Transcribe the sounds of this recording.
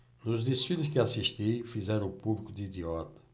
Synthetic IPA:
nuzd̪isfilusʃkɪasiʃt̪ifizɛɾɐ̃upuβlikud̪id̪iɔt̪ɐ̥

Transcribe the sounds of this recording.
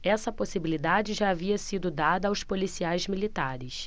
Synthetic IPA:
ɛsɐposibilid̪ad͡ʒɪʒaːviɐsid̪ʊd̪ad̪ɐːwspolisiajzmilit̪aɾɪs

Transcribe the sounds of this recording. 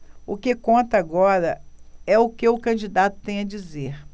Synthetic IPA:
ʊkekõnt̪ɐaɡɔɾɐɛʊkɪʊkɐ̃d͡ʒid̪at̪ʊ̥t̪ẽj̃ɐd͡ʒizeɾ

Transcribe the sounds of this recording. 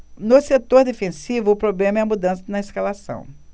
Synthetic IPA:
noset̪oɾd̪efẽsivʊːpɾoblẽmɐɛɐmud̪ɐ̃sɐnɐeskalasɐ̰̃w̃

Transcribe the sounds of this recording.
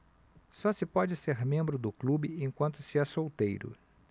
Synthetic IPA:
sɔsɪpɔd͡ʒɪseɾmẽmbɾʊd̪ʊklubɪẽj̃kwɐ̃nt̪ʊsɪɛsowt̪ejɾʊ̰

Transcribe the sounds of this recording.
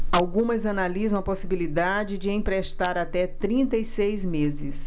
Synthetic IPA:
awɡũmɐzɐnalizɐ̃w̃ɐposibilid̪ad͡ʒɪd͡ʒɪẽj̃pɾeʃt̪aɾat̪ɛt̪ɾĩnt̪ɐjsejzmezɪs

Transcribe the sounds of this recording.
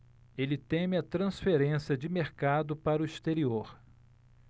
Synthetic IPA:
elɪt̪ẽmɪɐt̪ɾɐ̃sfeɾẽsiɐd͡ʒɪmeɾkad̪ʊpaɾʊist̪eɾioɾ

